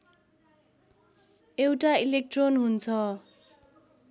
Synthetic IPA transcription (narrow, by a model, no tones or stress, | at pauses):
ewʈailek̚ʈronɦunt͡sʰʌ